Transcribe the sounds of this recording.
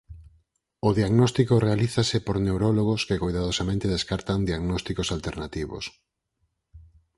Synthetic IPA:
ʊðiaɣnɔst̪ikorealiθasɪpoɾnewɾɔloɣoskekojðaðosamẽnt̪eðeskaɾt̪aŋd̪iaɣnɔst̪ikosalt̪eɾnat̪iβo̰s

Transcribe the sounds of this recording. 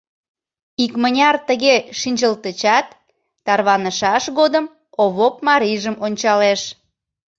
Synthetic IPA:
ikmənʲɑrt̪əɣeʃinʲd͡ʑəlt̪ət͡ɕɑt̪ː | ɑrβɑnəʃɑʃɣod̪əm | oβop̚mɑɾiʒəmonʲt͡ɕɑleʃ

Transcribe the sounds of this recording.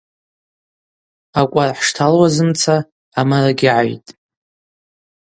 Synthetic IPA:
akʷʼarħʂtʰalwazɨmt͡sʰaː | maraɡʲɪʕajtʼ

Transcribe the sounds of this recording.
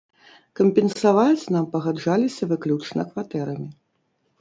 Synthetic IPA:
kɐmʲpʲɛnsavat͡sʲnampɐɣad͡ʐalʲisʲɐvɨklʲut͡ʂnɐkvat̪ɛɾɐmʲi

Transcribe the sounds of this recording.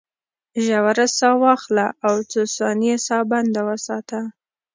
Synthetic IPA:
ʒawaɾasɑwɑxlaawt͡sosɑniesɑband̪awəsɑt̪a

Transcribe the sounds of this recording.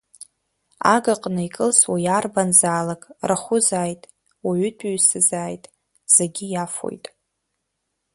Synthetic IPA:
a̰ɡaqʼnɨikʼɨlswajarbanzaːlakʼraχʷʊzaːjtʼ | waɥʏtʰʼɥsɨzaːjtʼ | z̥eɡʲijafo̰jtʼ

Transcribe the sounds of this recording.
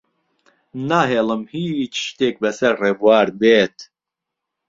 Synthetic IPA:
naːɦeːlɨmhit͡ʃʃt̪eːk̚bɛsɐɾreːvwaːɾbeːt̪

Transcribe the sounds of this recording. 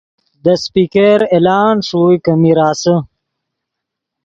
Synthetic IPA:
d̪əspiːkeɾelaːnʂujkəmiɾaːsə

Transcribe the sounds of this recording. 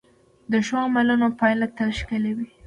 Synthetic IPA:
d̪əʃwɑmalunopɑjlat̪əɾʃkɪlewi

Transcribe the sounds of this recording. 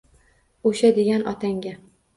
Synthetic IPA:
oʃad̪ɪɡʲanʔɒt̪ʰaŋɡʲa

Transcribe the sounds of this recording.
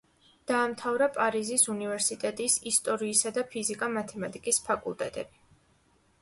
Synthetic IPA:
d̪̥aːmt̪ʰavɾapʼaɾizisunivɛɾsit̪ʼɛt̪ʼisist̪ʼɔɾiːsad̪apʰizikʼamat̪ʰɛmat̪ʼikʼispʰakʼulˠt̪ʼɛt̪ʼɛ̰bi

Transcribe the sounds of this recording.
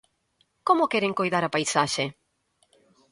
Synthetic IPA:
komokɛɾeŋkojðaɾapajsaʃe

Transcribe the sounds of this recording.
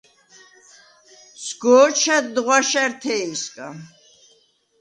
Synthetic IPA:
sʰɡɔːt͡ʃʰad̪ʁwaʃɛɾt̪ʰɛiskʼa

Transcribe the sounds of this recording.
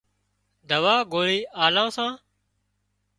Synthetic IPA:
d̪əʋaːɡoːliːʔaːlãːsãː

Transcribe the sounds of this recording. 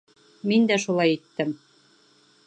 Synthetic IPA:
mind̪æʃulˠɑjit̪ːɘ̆m

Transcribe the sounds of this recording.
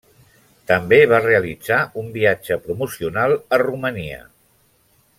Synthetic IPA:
t̪əmbeβ̞areəlid͡zaumbiad͡ʒəpɾumusiunalˠəruməniə̰

